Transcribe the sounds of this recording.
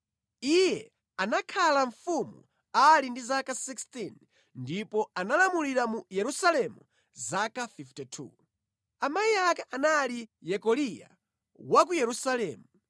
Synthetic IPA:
ijɛ | anakʰalaɱfumṵ | alindizakasikstin | ndipɔanalamuliɾamujɛɾusalɛmu | zakafiftɛtʰṵ | amajiakaʔanalijɛkɔlija̰ | wak̬ujɛɾusalɛːmu

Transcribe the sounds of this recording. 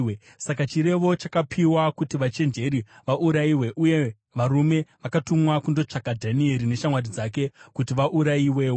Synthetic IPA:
e | sakat͡ʃiɾe̞ʋo̞t͡ʃakapʰiwakutiʋat͡ʃe̞nd͡ʒe̞ɾiʋaʔuɾaiwe̞ʔuje̞ | ʋaɾume̞ʋakatumwakundo̞t͡ʂakadʱanie̞ɾine̞ʃamwadid͡zake̞kutiʋaʔuɾaiwe̞ːwo

